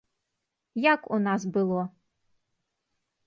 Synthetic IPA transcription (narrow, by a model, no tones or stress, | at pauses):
jakunas̬bɨlˠɔ